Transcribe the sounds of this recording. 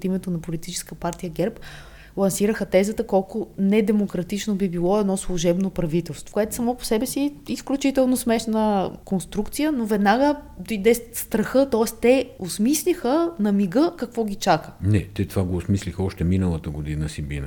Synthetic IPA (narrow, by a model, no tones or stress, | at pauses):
t̪imɛt̪onɐpolit̪it͡ʃɛ̥skəpaɾt̪ijəɡɛɾp | lˠɐnsiɾəxət̪ɛzət̪əkɔlˠkʊnɛd̪ɛmokɾɐt̪it͡ʃnobibilˠɔɛd̪nɔslˠuʒɛbnopɾɐvit̪ɛlˠst̪vo̥koɛt̪ʊsɐmɔpo̥sɛbɛsiisklʲut͡ʃit̪ɛlˠnosmɛʃnəkonst̪ɾukt̪sijənovɛd̪naɡə | d̪id̪ɛsst̪ɾɐxɤt̪ɔɛst̪ɛosmislʲixənɐmiɡɤkɐkvɔɡʲit͡ʃakə̥nɛt̪ɛt̪ovaɡoːsmislʲixɔʃt̪ɛminəlˠət̪əɡod̪inəsibḭnə̰